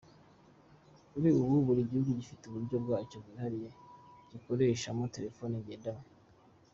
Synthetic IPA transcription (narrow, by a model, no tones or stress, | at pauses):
kuɾiuβuβuɾiɟihuɡuɟifiteuβuɾɟo̞bɡaːt͡ʃo̞bɡihaɾije̞ɟ̥iko̞ɾe̞ːʃamote̞ɾe̞fo̞niɟedam